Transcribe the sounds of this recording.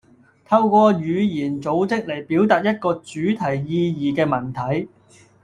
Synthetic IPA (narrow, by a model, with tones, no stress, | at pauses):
t̪ʰɐ˧wkʷɔː˧jyː˨˧jiː˨˩nt͡so˨˥wt͡sɪ˥k̚le˨˩jpi˨˥wt̪aː˨t̚jɐ˥t̚kɔː˧t͡syː˨˥t̪ʰɐ˨˩jjiː˧jiː˨kɛː˧mɐ˨˩nt̪ʰɐ˨˥j